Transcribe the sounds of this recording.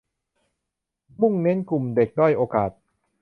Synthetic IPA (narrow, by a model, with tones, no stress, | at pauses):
mu˥˩ŋne˦˥nku˨˩mde˨˩k̚duː˥˩jʔoː˧kaː˨˩t̪̚